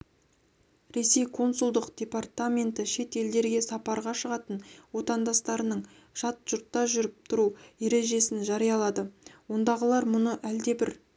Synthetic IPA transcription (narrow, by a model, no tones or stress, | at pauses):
ɾe̞se̞jkʰo̞nsulˠd̪əqd̥̪ʲe̞part̪amʲe̞nt̪ɪʃe̞t̪e̞ld̪e̞ɾɡʲe̞sɑpɑɾʁɑʃəʁɑt̪ənwo̞t̪ɑnd̪ɑst̪ɑɾənəɴ | ʃɑt̪ʒ̥ʊɾt̪ːɑʒʏɾɪp̚t̪ʰʊɾuje̞ɾe̞ʒe̞sɪnʒɑɾijɑlˠɑd̪əwo̞nd̪ɑʁəlˠɑɾmʊnəʔæld̪e̞bɪɾ